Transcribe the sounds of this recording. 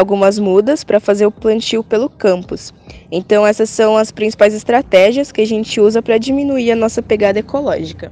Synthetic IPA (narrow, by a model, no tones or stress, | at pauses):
awɡũmɐzmud̪ɐspɾɐfazeɾʊplɐ̃nt͡ʃiwpelʊkɐ̃mpʊsẽnt̪ɐ̃w̃ɛsɐsːɐ̃w̃ɐspɾĩsi̥pajzɪst̪ɾat̪ɛʒiɐskɪaʒẽnt͡ʃɪuzɐpɾɐd͡ʒimĩnuiɾɐnɔsɐpeɡad̪ɐekolɔʒikɐ